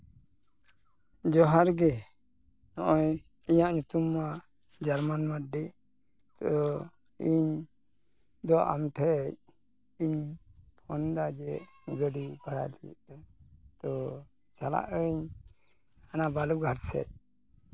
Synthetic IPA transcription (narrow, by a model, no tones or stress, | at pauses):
d͡ʒɔɦaɾɡɛ | nɔʔɔj | iɲaʔɲut̪uma | d͡ʒaɾmanməɖi | t̪ɔ | iɲ | d̪ɔʔa̰mʈʰɛc̚ | iɲpʰɔnd̪ad͡ʒɛ | ɡəɖibaɽa̰lij̰ʔt̪ɔ | t͡ʃala̰ʔəiɲ | anabaluɡʱaɾsɛ̰c̚